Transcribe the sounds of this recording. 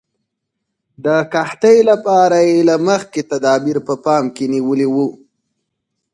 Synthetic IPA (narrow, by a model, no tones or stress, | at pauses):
d̪əkaht̪əjlapɑɾajelaməxket̪ad̪ɑbiɾpəpɑmkeniwəliwu